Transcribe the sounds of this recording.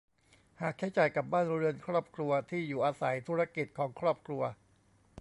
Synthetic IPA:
haː˨˩k̚t͡ɕʰa˦˥jt͡ɕa˨˩jka˨˩p̚baː˥˩nɾɯ˧ənkʰɾɔː˥˩p̚kʰɾu˧ɐt̪ʰiː˥˩juː˨˩ʔaː˧sa˩˦jt̪ʰuː˦˥ɾa˧ki˨˩t̪̚kʰɔː˩˦ŋkʰɾɔː˥˩p̚kʰɾu˧ɐ

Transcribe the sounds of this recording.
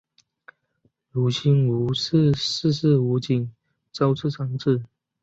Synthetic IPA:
lu˨˩ɕʰi˥nu˧˥˧s̩˥˧ʂ̩˥˩u˧˥t͡ɕi˨˩ŋ | t͡sɑ˥ʊt͡s̩ʰ˥˩ʈ͡ʂʰɑ˧˥ŋʈ͡ʂ̩˥˩

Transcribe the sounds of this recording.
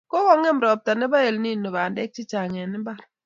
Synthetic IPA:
kɔ˦wɔ˦ŋɛ˦mɾɔ˨p̚ta˨nɛ˦ba˦e˨lni˦˨nːo˨ba˨ndɛ˦k̚t͡ʃɪ˦t͡ʃa˨ŋɛ˨nɪ˦mba˦˨ɾ

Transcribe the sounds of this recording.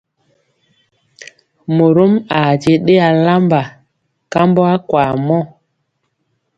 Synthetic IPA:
mo˨ɾo˦ma˨d͡ʒe˨ɗe˦a˨la˦mba˨ | ka˦mbo˦a˦kwaː˨mɔ˦˨

